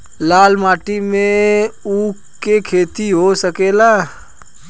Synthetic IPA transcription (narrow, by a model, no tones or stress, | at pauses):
laːlmaːʈimẽuːk | kːekʰeːt̪iɦosəkeːlaː